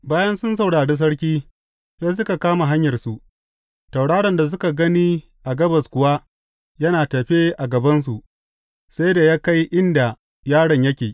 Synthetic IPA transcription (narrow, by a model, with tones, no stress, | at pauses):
baː˦jɐ˦nsʊ˦nsɐ˨wɽaː˨ɽeː˦s̬ɐ˦ɽk̬ʲiː˦ | jaː˦s̬ʊ˦ka˨kaː˦ma˨ɦa˦ɲjɐ˨rsu˨ʔ | ta˨wɽaː˦ɽɐ˨nda˨s̬ʊ˦ka˨ɡɐ˦niː˦ | ʔa˨ɡɐ˦bɐ˨skʷʊ˨wa˦ | jɐ˦naː˨tɐ˨ɸe˦ʔa˨ɡɐ˨bɐ˦ns̬u˨ʔ | sa˦jda˨jaː˦ka˦jʔɪ˦nda˨ | jaː˦ɽɐ˨ɲjɐ˦kʲeː˨